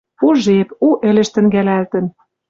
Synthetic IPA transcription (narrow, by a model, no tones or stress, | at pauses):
puʒepuʔɘ̆lʲɘ̆ʃt̪ɘ̆ŋɡælælt̪ə̆n